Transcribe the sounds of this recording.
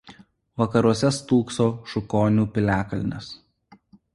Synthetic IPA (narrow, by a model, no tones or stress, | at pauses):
ʋɐkɐɾuɔsʲɛst̪uːksoːʃʊkoːnʲuːpʲɪlʲæːkɐlʲnʲɛ̰s